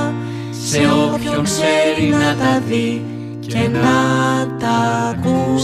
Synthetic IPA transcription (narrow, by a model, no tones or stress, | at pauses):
seopçooseɾinɐt̪ɐði | cenɐt̪ɐku